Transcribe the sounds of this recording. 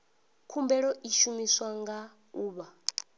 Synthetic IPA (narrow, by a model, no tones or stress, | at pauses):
kʰumbɛɺɔʔiʃumiswaŋɡa | uːβa